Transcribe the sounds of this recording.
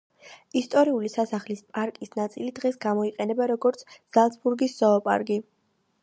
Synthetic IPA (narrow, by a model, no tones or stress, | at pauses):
ist̪ʼɔɾiulisasaχlispʼaɾkʼisnat̪sʼilid̪ʁɛsɡamɔiqʼɛnɛbaɾɔɡɔɾt̪sʰz̥alˠt̪sbuɾɡisːɔːpʼa̰ɾɡi